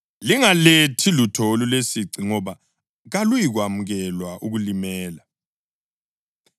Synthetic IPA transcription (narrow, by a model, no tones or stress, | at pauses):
liŋaletʰilutʰolulesiǀiŋɔβa | ɣalujiɣwamuɣɛlwaʔuɣulimɛːla